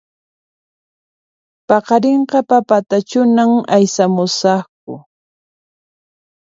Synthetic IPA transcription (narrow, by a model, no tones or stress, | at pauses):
pɑqɑɾeɴqɑpapat̪at͡ʃʊnamajsamʊsɑχk̚ʊ